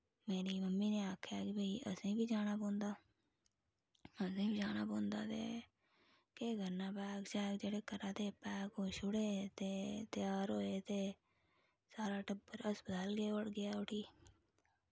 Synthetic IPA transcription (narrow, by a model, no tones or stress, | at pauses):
meːɾiːməmːiːneːaːkʰjaːkibʱəiːʔə̰sĩːbʱiːd͡ʒaːnaːbõːnd̪aː | əsĩːbiːd͡ʒaːnaːbõːnd̪a̰ːt̪ḛː | keːɡʱəɾnaːpɛːkt͡ʃaːkd͡ʒeːɽeːkəɾaːt̪eːpɛːkoːʃʊɽeːt̪eːt̪ɪjaːɾoːeːt̪eː | saːɾaːʈəbəɾəsbəd̪əlɡeːəɽɡɪjaːʊʈʰiː